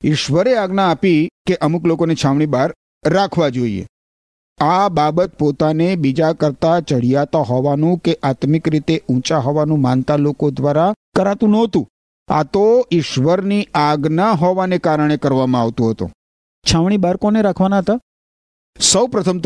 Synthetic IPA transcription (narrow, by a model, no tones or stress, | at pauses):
ɪʃʋəɾeaɡnaːpikeʔəmuklokonit͡ʃʰaʋɳ̃ibaɾː | akʰʋad͡ʒoḭḛ | ababət̪pot̪anebid͡ʒakəɾt̪at͡ʃəɽ̤ijat̪aɦɔʋanũkeʔat̪mɪkɾit̪eũt͡ʃaɦɔʋanũmant̪alokod̪ʋaɾakəɾat̪ũnɔɦt̪ũ | a̰t̪oɪʃʋəɾniʔaɡnaɦɔʋanekaɾəɳ̃ekəɾʋamãaʋt̪ũɦət̪ṵ̃ | t͡ʃʰaʋɳ̃ibaɾkoneɾakʰʋanaɦət̪a | səwpɾət̪ʰəmt̪